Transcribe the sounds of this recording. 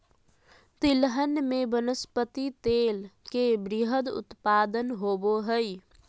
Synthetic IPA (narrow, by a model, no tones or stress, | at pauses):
t̪ilɦənmebənəspət̪it̪elkebɾiɦəd̪ṵt̪pad̪ənɦoboɦəj